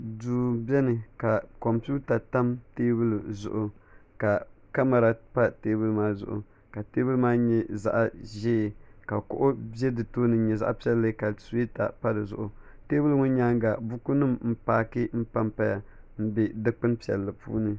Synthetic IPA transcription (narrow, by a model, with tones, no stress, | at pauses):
duː˨bɛ˦nɨ˨ka˨kɔ˨mpu˦ta˨ta˦mteː˦bɨ˦lu˨zʊ̰˨ʔʊ˨ka˨ka˦ma˨ɾa˨pa˦teː˦bɨ˦lmaː˦zʊ̰˨ʔʊ̰˨ | ka˨teː˦bɨ˦lmaː˦ɲɛ˦za̰˦ʔa˨ʒeː˦˨ka˨kʊ̰˦ʔʊ˦bjɛ˦dɨ˨toː˦nɨ˨˦ɲɛ˨za̰˦ʔpi˦ɛ˦lːɨ˦ka˨su˨˦i˦ta̰˨pa˦dɨ˨zʊ̰˨ʔʊ˨ | teː˦bɨ˦lŋʊ˦ɲaː˦ŋɡa˨bu˦ku˦nɨ˦mm̩˦paː˦kɨ˦m̩˦pa˦mpa˦ja˨ | m̩˦bɛ˨dɨ˦k͡pɨ˦npi˨ɛ̰˨lːɨ˨pṵː˦nɨ˦